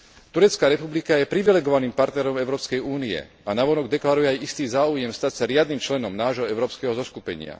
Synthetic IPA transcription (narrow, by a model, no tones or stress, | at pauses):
t̪uɾɛt͡skaːɾɛpublikajɛpɾiʋilɛɡɔʋaniːmpaɾt̪nɛɾɔmɛʊɾɔːpskɛjuːniɛ̰ | anaʋɔnɔɡd̪ɛklaɾujɛajist̪iːzaːujɛmst̪acsaɾɪad̪̚nimt͡ʃlɛnɔmnaːʒɦɔɛʊɾɔːpskɛɦɔzɔskupɛ̰ɲɪa̰